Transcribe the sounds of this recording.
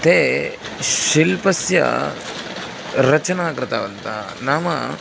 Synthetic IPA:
t̪eː | ʃilpɐsjɐ̰ | ɾɐt͡ʃɐnaːkɾɐt̪aːʋɐnt̪a̰ | naːmɐ

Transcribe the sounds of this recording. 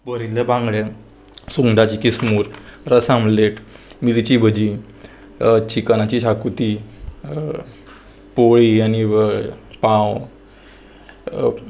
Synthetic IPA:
bəɾilebãŋɡɭe | suŋɖat͡ɕikismuːɾɾəsãmleʈmid̪t͡ɕibʱəd͡ʑi | t͡ɕikanat͡ɕiɕakut̪i | poɭiani | pãw

